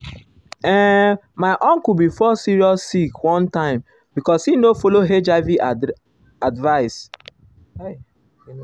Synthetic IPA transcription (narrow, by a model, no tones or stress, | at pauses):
ɛ | maɪʔɔ̃ŋkubifɔsiɹiɔsːikwɔ̃ntãɪ̃m | bikɔshinofoloɦed͡ʒavi | advaɪs